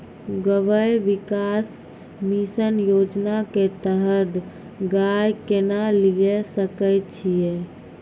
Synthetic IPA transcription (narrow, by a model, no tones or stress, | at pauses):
ɡəʋəjʋikas | misənjod͡ʒnaket̪əɦəd̪ | ɡajkenaliesəkət̪t͡ʃʰije